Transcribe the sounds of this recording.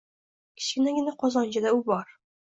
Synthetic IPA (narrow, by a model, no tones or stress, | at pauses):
kʲʰɪ̥t͡ʃkʲɪnaɡʲɪnaqʰɒzɒnt͡ʃad̪aubɒɾ